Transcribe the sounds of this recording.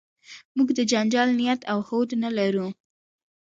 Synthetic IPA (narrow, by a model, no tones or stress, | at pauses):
muɡd̪əd͡ʒand͡ʒɑlnijat̪awhod̪nalaɾu